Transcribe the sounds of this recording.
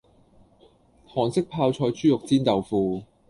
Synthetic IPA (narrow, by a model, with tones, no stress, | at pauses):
hɔː˨˩ŋsɪ˥k̚pʰaː˧wt͡sʰɔː˧jt͡ʃyː˥jʊ˨k̚t͡siː˥nt̪ɐ˨wfuː˧